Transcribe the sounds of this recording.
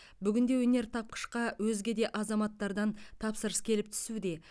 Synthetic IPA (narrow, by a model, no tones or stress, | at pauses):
bʏɡʲɪnd̪e̞wɵne̞ɾt̪ʰɑp̚qə̥ʃqɑwɵzɡʲe̞d̪e̞ʔɑzɑmɑt̪ːɑɾd̪ɑnt̪ʰɑpsəɾəskʲʰe̞lɪp̚t̪ʰʏ̥sud̪e̞